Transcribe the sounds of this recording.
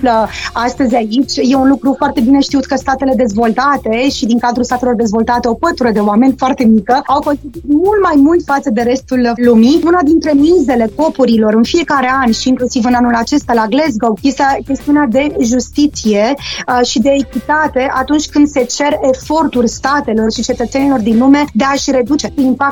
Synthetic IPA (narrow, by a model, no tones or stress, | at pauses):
ləast̪əzʲait͡ʃʲje̞unlukɾufoart̪e̞bine̞ʃt̪iut̪kəst̪at̪e̞le̞d̪e̞zvo̞lt̪at̪e̞ʃid̪iŋkad̪ɾulst̪at̪e̞lo̞rd̪e̞zvo̞lt̪at̪e̞o̞pət̪uɾəd̪e̞oame̞nʲfoart̪e̞mikəawko̞nst̪it̪ut̪mult̪majmult̪fat̪səd̪e̞ɾe̞st̪ulːumiunad̪int̪ɾe̞mize̞le̞ko̞puɾilo̞ɾɨnfie̞kaɾe̞anʃiːŋklusivɨnanulat͡ʃe̞st̪alaɡlez̬ɡowjest̪ekʲe̞st̪iunead̪e̞ʒust̪it̪sije̞ʃid̪e̞ːkʲit̪at̪e̞ʔat̪unt͡ʃʲkɨnd̪se̞t͡ʃe̞ɾefo̞rt̪urʲst̪at̪e̞lo̞rʃit͡ʃe̞t̪ət̪se̞nilo̞rd̪inlume̞d̪e̞aʃɾe̞d̪ut͡ʃe̞uimpak̚